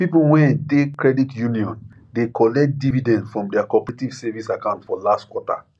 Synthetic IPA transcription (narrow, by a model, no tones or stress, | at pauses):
pipuwɛ̃ntekɹɛditjuniɔ̃n | dekʰɔlɛk̚t̚dividɛ̃ndfɹɔ̃mdɛakɔpɛɹetiv̥sɛvisakãʊ̃ntfɔlastkwɔta̰